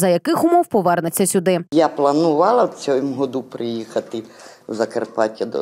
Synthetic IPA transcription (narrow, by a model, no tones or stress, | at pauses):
zɐjɐkɪxʊmɔwpɔʋɛrnɪt͡sʲːɐsʲʊd̪ɪjaplˠɐnʊʋɑlˠɐt͡sʲɔjmɦɔd̪upɾɪjixɐt̪ɪwzɐkerpɑtʲɐd̪ɔ̰